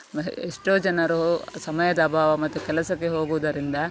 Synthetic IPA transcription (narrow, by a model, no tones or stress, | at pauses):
eʂʈoːd͡ʒɐnɐɾusɐmɐjɐd̪ɐbʱaːʋɐmɐt̪ːukɛlɐsɐkːeɦo̞ːɡuʋɐd̪ɐɾind̪ɐ